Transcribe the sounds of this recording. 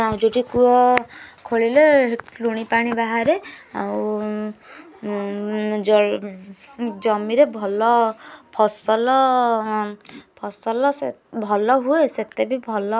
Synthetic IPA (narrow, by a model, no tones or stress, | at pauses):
aw̃d͡ʒoɖikuɔkʰoɭileluɽ̃ipaɽ̃ibaɦaɾea̰w | d͡ʒɔ | d͡ʒɔmiɾebʱɔlɔpʰɔsɔlɔ | pʰɔsɔlɔsebʱɔlɔɦueset̪ebibʱɔlɔ